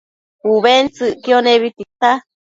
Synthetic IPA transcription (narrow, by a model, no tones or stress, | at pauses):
huβent͡sɨʔkioneβit̪it̪a